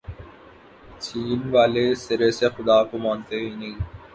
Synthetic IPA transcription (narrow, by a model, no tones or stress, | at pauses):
t͡ɕiːnʋaːlesɪɾeːsexʊd̪aːkomãːnt̪eini